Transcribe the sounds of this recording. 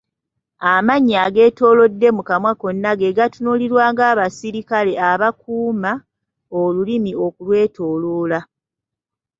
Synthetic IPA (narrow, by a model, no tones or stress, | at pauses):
amaɲːaɡe̞ːto̞ːlo̞dːe̞mukamwako̞nːaɡe̞ɡatunuliɾwaːŋɡaːβasiɾikale̞aβakuːma | olulimio̞kulwe̞ːtʰo̞ːloːla